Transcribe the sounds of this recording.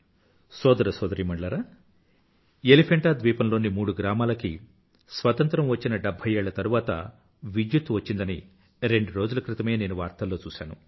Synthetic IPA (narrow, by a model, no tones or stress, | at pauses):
sɔːd̪ɐɾɐsɔːd̪ɐɾiːmɐɳɖɭɐɾaː | elipʰeɳʈaːd̪ʋiːpɐnlo̞ːnimuːɽuɡɾaːmaːlɐki | sʋɐt̪ɐnt̪ɾɐmʋɐt͡ʃːinɐɖebʱːɐjeːɭːɐt̪ɐɾuʋaːt̪ɐ̰ | ʋid͡ʒjut̪ʋɐt͡ʃːind̪ɐni | ɾeɳɖuɾo̞ːd͡ʒulɐkɾit̪ɐme̞ːne̞ːnuʋaːɾt̪ɐlːo̞ːt͡ʃuːʃa̰ːnu